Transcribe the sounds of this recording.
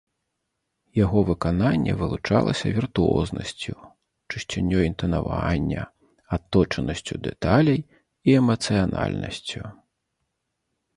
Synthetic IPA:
jaɣɔvɨkananʲːɛvɨlˠut͡ʂa̰lˠɐsʲɐvʲirt̪uɔ̰znɐ̰sʲt͡sʲu | t͡ʂɨɕt͡ɕʲanʲːɔint̪ɐnavanʲːɐ̰ | at̪ːɔt͡ʂɐnɐsʲt͡sʲud̪ɛt̪alʲɐj | iɛmɐt̪sɨjana̰lʲnɐ̰sʲt͡sʲu

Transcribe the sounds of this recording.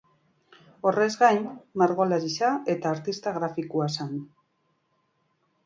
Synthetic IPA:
o̞re̞zɣajnmaɾɣolaɾisae̞t̪aːɾt̪ist̪aɣɾafikuasan

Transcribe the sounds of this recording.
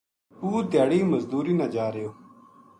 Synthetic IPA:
uːt̪jaːɽiːmɐzd̪uːɾiːnad͡ʒaːɾejoː

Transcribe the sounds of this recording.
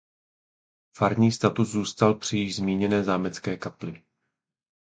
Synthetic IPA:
faɾɲiːst̪at̪uszuːst̪alpr̥ɪjɪʒzmiːɲɛnɛːzaːmɛt͡skɛːkaplɪ

